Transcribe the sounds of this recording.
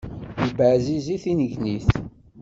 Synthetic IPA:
jəbəʕziziθinəʝniθ

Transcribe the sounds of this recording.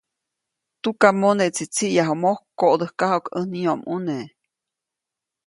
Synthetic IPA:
t̪ukamoneʔt͡sit͡siʔjaɦomohkːoʔd̪əhkahokənioʔmʔune

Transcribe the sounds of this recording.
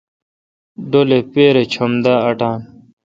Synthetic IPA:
ɖolepeːɾet͡ɕʰɐmd̪aːɐʈãːn

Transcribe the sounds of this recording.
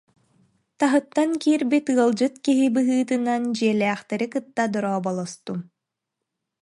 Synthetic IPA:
t̪aɦɯt̪ːaŋkiːɾbit̪ɯɐlˠd͡ʑɯt̪kiɦibɯɦɯːt̪ɯnand͡ʑiɛlɛːχt̪ɛɾikɯt̪ːad̪ɔɾɔːbɔlˠɔst̪um

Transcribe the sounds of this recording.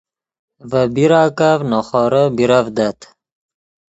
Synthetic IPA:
vəbiɾaːkavnoχɔːɾəbiɾavd̪at̪

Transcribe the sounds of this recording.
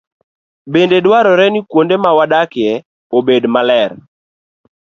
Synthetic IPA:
bendedwaɾɔɾɛnikwondemawadakjɛ | obedmalɛɾ

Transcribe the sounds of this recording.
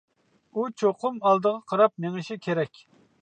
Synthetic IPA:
ut͡ʃʰoqʰʊmɑlˠd̪əʁɑqʰɑɾɑp̚neŋɨʃikʲʰeɾɛkʲ

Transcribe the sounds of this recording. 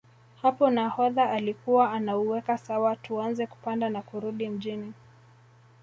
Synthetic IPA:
hapɔnahɔðaʔːlikuwaːnauwɛkasawatuanzɛku̥pandanakuɾuɗim̩ʄini

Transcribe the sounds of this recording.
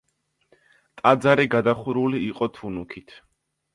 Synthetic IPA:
t̪ʼad̪zaɾiɡad̪aχuɾuliːqʼɔt̪ʰunukʰit̪ʰ

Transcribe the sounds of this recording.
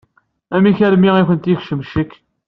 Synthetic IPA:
æmiçæɾmiiçənt̪ixʃəmʃəkː

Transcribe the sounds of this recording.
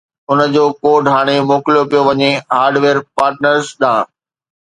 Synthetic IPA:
ʊnəd͡ʑoːkoːɖɦaːɽ̃emoːklijopijoʋɐɲeɦaːɾɖʋeːɾpaːɾʈnəɾzɗãː

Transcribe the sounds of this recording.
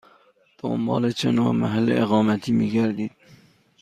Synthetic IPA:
d̪̥o̰mbɒ̰ːlet͡ʃʰenomæ̰ɦælːḛʔeɣɒːmæt̪ʰiːmiːɡæɾd̪iːd̪̥̚

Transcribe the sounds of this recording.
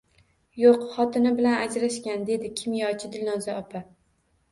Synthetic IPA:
joqχɒt̪ʰɪnɪbɪlanad͡ʒɾaʃkʲand̪e̞d̪ɪkʲʰɪmjɒt͡ʃʰɪd̪ɪlnɒzaɒpʰa

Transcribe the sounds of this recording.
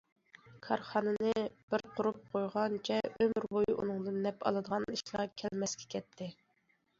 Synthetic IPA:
kʰɑɾχɑnɨnnɨb̥ɪɾqʰʊɾup̚qʰojʁɑnt͡ʃʰɛømɾbojuʔṵnɨŋd̪ɨnːɛpɑ̰lˠɨd̪əʁɑniʃlˠɑkʲʰɛlmɛskʲɛ̥kʲʰɛt̪ʰːɪ

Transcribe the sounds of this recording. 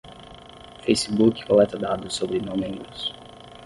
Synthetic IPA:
fejsibukɪ̥kolɛt̪ɐd̪ad̪ʊsːobɾɪnõmẽŋɡus

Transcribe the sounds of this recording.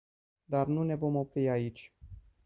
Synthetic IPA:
d̪arnune̞vo̞mo̞pɾiait͡ʃʲ

